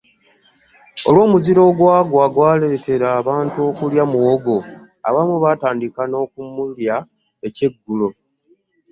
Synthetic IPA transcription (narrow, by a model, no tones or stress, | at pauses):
o̰lwo̞ːmuziɾo̞ːɡwaːɡwaɡwaːleɾete̞ɾaːβaːntuo̞ːkuljamuwoɡo̞ | a̰βamuβataːndikano̞ːkumulja | e̞ce̞ɡːulo̞